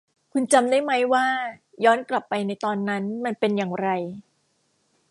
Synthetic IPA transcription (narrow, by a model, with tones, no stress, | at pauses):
kʰu˧nt͡ɕa˧mdaː˥˩jma˦˥jwaː˥˩ | jɔː˦˥nkla˨˩pːa˧jna˧jt̪ɔː˧nːa˦˥nma˧npe˧njaː˨˩ŋɾa˧j